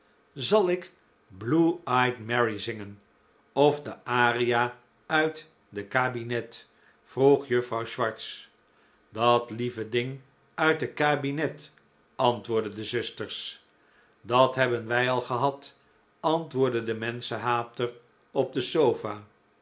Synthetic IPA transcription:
zɑlˠɪk | bluɑjtmɛɹizɪŋən | ɔvdəʔaːrija | œɥt | dəkaːbinɛt | fruχjɵfrɑwʃʋɑɹts | dɑtlivədɪŋ | œɥtdət̚kaːbinɛt | ɑntʋʊːɹdədəzʏstəɹs | dɑtɦɛbənʋɛjɑlˠχəɦɑt | ɑntʋʊːɹdədəmɛnsəɦaːp̚tər | ɔb̚dəsowfaː

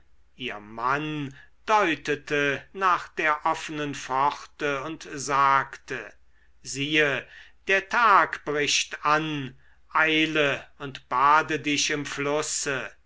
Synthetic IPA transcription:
ʔiːɐman | d̥ɔʏtətənaːχd̥eːɐʔɔfənənfɔχtəʊntzaːktʰə | ziːəd̥eːɐtʰaːkb̥ʁɪʃtan | ʔaɪləʊntb̥aːdədɪʃɪmflʊsə

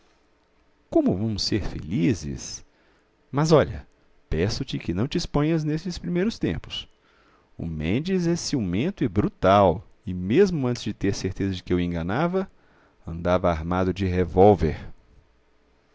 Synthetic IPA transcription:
kõmʊvɐ̃mʊseɾfḛlizɪ̰s | mɐzɔʎɐ̰ | pɛsʊt͡ʃɪkɪnɐ̃w̃t͡ʃɪispõɲɐznesɪspɾimejɾʊst̪ḛ̃mpʊ̥s | ʊ̰mḛ̃nd͡ʒɪzɛsiumẽnt̪ʊɪbɾut̪aw | ɪmezmʊɐ̃nt̪ɪzd͡ʒɪt̪eɾseɾt̪ezɐd͡ʒɪkɪewẽɡɐnavɐ | ɐ̰̃nd̪avɐaɾmad̪ʊd͡ʒɪɦevowveɾ

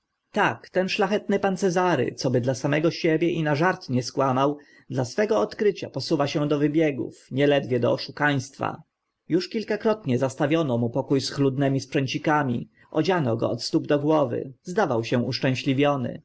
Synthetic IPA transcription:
t̪akt̪ɛnʂlaxɛt̪nɘpant̪sɛzaɾɘ̰t̪sɔbɘd̪lasamɛɡɔɕɛbʲjɛʔinaʐaɾt̪ɲɛskwamaw | d̪lasfɛɡɔɔt̪kɾɘt͡ɕa̰pɔsuvaɕɛ̃d̪ɔvɘbʲjɛɡṵfɲɛlɛd̪vʲjɛd̪ɔ̰ɔʂukaj̃st̪fa̰ | juʂkʲilkakɾɔt̪ɲɛzast̪avʲjɔnɔmupɔkujsxlud̪nɛmʲispʂɛɲt͡ɕikamʲḭ | ʔɔd͡ʑanɔɡɔ̰ɔt̪st̪ubd̪ɔɡwɔvɘ̰zd̪avawɕɛ̃uʂt͡ʂɛ̃w̃ɕlʲivʲjɔnɘ̰

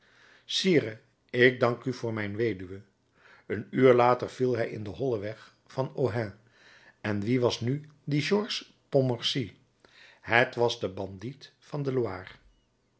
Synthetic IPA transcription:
siːɾə | ɪɡ̚dɑŋkyv̥ʊːɹmɛjnʋejdyʋə | ənyːɹlaːtəɹv̥ilˠɦɛjɪndəɦɔlˠəʋɛχ | fɑnoɦɛ̃ | ɛnʋiʋɑsnydəʒɔɹs | pomɑɹsi | ɦətʋɑzdəbɑnditfɑndəloa̰ːr

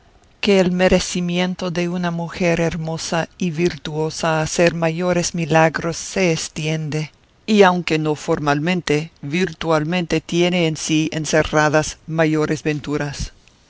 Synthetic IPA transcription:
keːlmeɾesimjẽ̞nt̪o̞ðe̞unamuxeɾeɾmo̞saiβiɾt̪uo̞saːseɾmajo̞ɾesmilaɣɾo̞sːeːst̪je̞nd̪e | iawŋke̞no̞foɾmalmẽnt̪eβiɾt̪walmẽnt̪e̞t̪jeneːnsiḛnseraðasmajo̞ɾezβent̪uɾas

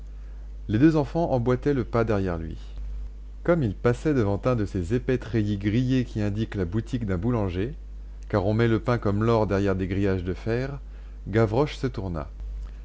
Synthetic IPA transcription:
led̪øzɑ̃fɑ̃ʔɑ̃bwat̪ɛləpad̪ɛʁjɛʁlɥḭ | kɔmilpasɛd̪əvɑ̃t̪ɛ̃d̪əsezepɛt̪χejiɡʁijekʲiɛ̃d̪iklabut̪ikd̪ɛ̃bulɑ̃ʒe | kaʁɔ̃mɛləpɛ̃kɔmlɔʁd̪ɛʁjɛʁd̪eɡʁijaʒd̪əfɛːʁ | ɡavʁɔʃsət̪uʁna̰

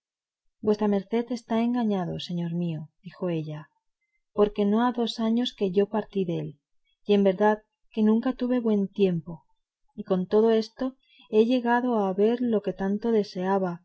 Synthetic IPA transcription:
bwe̞st̪ɾame̞ɾθe̞ðe̞st̪ae̞ŋɡaɲaðo̞se̞ɲo̞ɾmiod̪̥ixo̞e̞ʎa | po̞ɾke̞no̞aðo̞saɲo̞ske̞ʝo̞paɾt̪iðel | ie̞mbe̞ɾðað | ke̞nũŋkat̪uβe̞βwe̞nt̪je̞mpo̞ | iko̞nt̪o̞ðo̞e̞st̪o̞ | e̞ʎe̞ɣaðo̞aβe̞ɾlo̞ke̞t̪ant̪o̞ðe̞se̞aβa

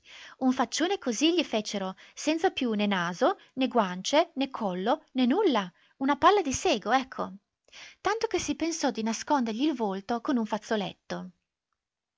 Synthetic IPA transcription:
uɱfat͡ʃːoːnekoziʎifet͡ʃeɾosɛnt̪sapjunenaːzo | neɡwant͡ʃenekʰːɔlːonenulːa | unapalːad̪iseːɡoɛkʰːo̰ | t̪ant̪ok̟esipensɔd̪inaskond̪eɾʎiːlvolt̪okonuɱfat̪solḛt̪ːo

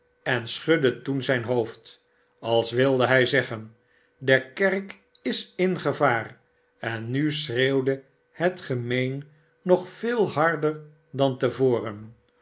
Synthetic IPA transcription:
ɛnsχɵdətunzɛjnɦoʊft | ɑlˠsʋɪlˠdəɦɛjzɛχən | dəkɛrk | ɪsɪnχəvaːr | ɛnːysrewdə | hətχəmejnː | ɔχfɪːlˠhɑɹdəɹ | dɑntəvoːrən

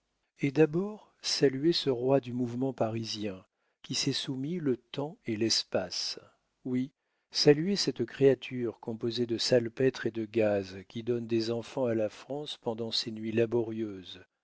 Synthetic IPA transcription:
ed̪abɔʁ | salyesəʁwad̪ymuvmɑ̃paʁizjɛ̃ | kʲisɛsumilət̪ɑ̃elɛspas | wi | salyesɛt̪kχeat̪ʰyʁkɔ̃pozed̪əsalpɛt̪χed̪əɡazkʲid̪ɔnd̪ezɑ̃fɑ̃alafχɑ̃spɑ̃d̪ɑ̃senɥilabɔʁjøz

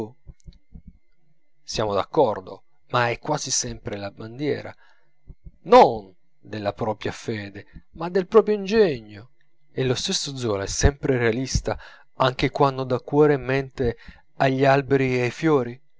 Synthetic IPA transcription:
sjaːmod̪a̰kːɔrd̪o̰ | maɛkːwaːzisɛmpɾelaband̪jɛ̰ːɾa̰ | non | d̪elːapɾɔːpɾjafɛːd̪emad̪ːelpɾɔːpɾjoind͡ʒɛɲːo | elːost̪esːod̪zːɔːlaɛsːɛmpɾerealist̪a | aŋk̟ekwand̪od̪akːwɔːɾemɛnt̪e | aʎːialbeɾiajfjɔːɾi

